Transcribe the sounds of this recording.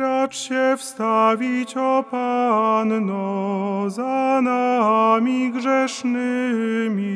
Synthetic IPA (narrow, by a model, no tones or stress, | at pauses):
ɾaʈ͡ʂɕɛfst̪avʲit͡ɕɔpannɔzanamʲiɡʐɛʂnɘmʲi